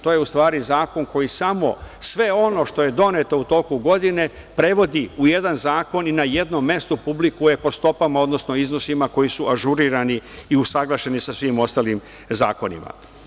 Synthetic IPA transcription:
t̪o̞ːje̞ust̪ʋaːɾizaːko̞nko̞jisamo̞sʋe̞o̞no̞ʃt̪o̞je̞d̪o̞net̪o̞ut̪o̞kuɡo̞d̪ine̞ | pɾe̞ʋo̞d̪iuje̞d̪anzaːko̞ninaje̞d̪no̞mːe̞st̪upublikuje̞po̞st̪o̞pamao̞d̪no̞sno̞izno̞simako̞jisuʔaʒuɾiːɾaniːusaɡlˠaʃe̞nisasʋimo̞st̪alim | zaːko̞nḭma̰

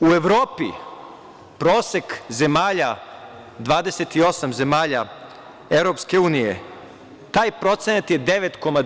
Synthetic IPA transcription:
ue̞ʋɾo̞ːpḭ | pɾo̞ːse̞kze̞maːʎa | d̪ʋaːd̪eset̪io̞samze̞maːʎa | eʋɾo̞ːpske̞uːnijḛ | t̪aːjpɾo̞t̪senat̪je̞d̪e̞ʋe̞t̪ko̞ma

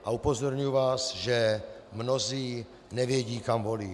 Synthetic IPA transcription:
ʔaupozoɾɲujuvaːsʒɛmnoziː | nɛvjɛɟiːkamvoliː

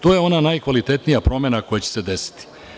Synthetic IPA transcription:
t̪o̞ːje̞o̞nanajkʋalit̪et̪nijapɾo̞menako̞jet͡ɕe̥se̞d̪esi̥t̪i̥

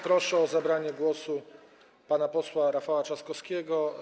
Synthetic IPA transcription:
pɾɔʂɛɔzabɾaɲɛɡwɔsu | panapɔswaɾafawat͡ʂaskɔskʲɛɡɔ

